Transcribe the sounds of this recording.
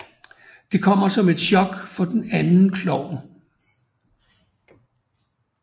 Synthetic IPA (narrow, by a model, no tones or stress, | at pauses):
d̥e̝kʰɒ̽m̰ɐsɒ̽me̝d̥ɕɒ̽ɡ̥fɒ̽d̥enænn̩kʰlɒʊ̰n